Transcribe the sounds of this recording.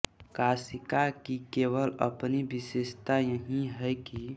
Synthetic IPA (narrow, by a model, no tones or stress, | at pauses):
kasikakikeːwələ̰pnibisest̪ajəɦĩɦɛjki